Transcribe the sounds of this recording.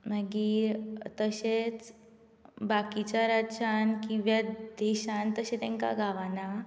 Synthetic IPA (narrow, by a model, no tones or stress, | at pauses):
maɡit̪əɕet͡s | bakit͡ɕaɾaɕankĩʋjad̪ɛɕant̪əɕẽt̪ɛ̃ŋka̰ɡʱaʋana